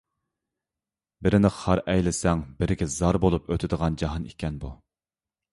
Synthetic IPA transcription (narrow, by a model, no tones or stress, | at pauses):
bɪɾɪnɪqhɑɾʔɛjlɪsɛŋbɪɾɪɡʲɛzɑɾbolˠupøt̪ʰɪd̪əʁɑnd͡ʒɑɦɑnikʲʰɛnbu